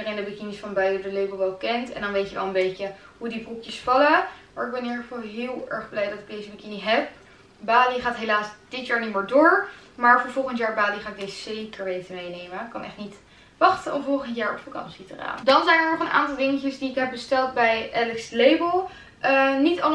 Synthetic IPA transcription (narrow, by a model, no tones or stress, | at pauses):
dərejndəbəkinisfɑnbœɥdədəlejbəlˠʋɛlˠkɛntɛ̰ndɑnʋejtəʋɛ̰lˠənbejcə | ɦudibrukjəsfɑləmaːɹɪɡ̚bɛnɦiːɹχəfɑlˠɦɪːlˠɛɹχblɛjdɑtɪɡ̚dejzəbəkɪniɦɛp̚ | baːliχaːtɦelaːsd̥ɪtjaːɹnimɪːɹdʊːɹmaːɹvəɹvɔlˠχəntjaːɹbaːliχaːɪɡ̚dejzəzejkəɹʋejtəmejnejməkɑnʔɛ̰χtnit | ʋɑχtənɔvɔlˠχəntjaːɹɔ̰pfɑkɑ̰nsitəra̰ːndɑnzɛjnəɹnɔχənʔa̰ːntɑlˠdɪŋəcəsdiɪkɦɛb̚bəstɛlˠt̚bɛjʔɛlɪkslejbəlˠ | ʔənitɑ